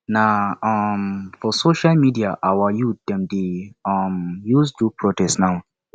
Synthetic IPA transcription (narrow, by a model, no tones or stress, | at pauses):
naɔmfɔsoʃalmidiaʔawajut̚d̥ɛ̃mdeɔmjuzdupʰɹotɛstnaʊ